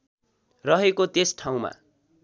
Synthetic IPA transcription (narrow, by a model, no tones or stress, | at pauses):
rʌɦekot̪esʈʰaw̃ma̰